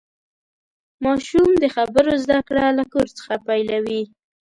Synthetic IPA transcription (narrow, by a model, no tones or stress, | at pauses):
mɑʃumd̪əxabəɾozd̪akɽalakoɾt͡sə̥xapajlawi